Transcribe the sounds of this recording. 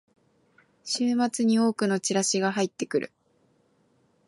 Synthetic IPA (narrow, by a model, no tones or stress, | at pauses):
ɕɨːmat͡sɨɲ̟io̞ːkɯ̟no̞t͡ɕiɾaɕiɡaɦait̪ːe̞kɯ̟ɾʔɯ̟̰